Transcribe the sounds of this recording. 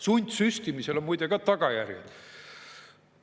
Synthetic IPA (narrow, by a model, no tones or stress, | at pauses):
sunʲd̪ʲsyst̪imise̞lomujd̪̥eɡ̥ɑt̪ɑɡ̥ɑjærjḛd̪̥